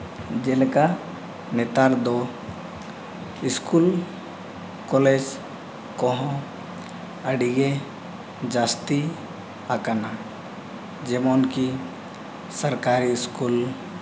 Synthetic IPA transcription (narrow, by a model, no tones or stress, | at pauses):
d͡ʒelka | net̪aɾd̪o | iskul | kɔled͡ʒ | kɔ̃ɦɔ̃ | əɽiɡe | d͡ʒast̪i | akana | d͡ʒɛmɔnki | səɾkaɾiːskul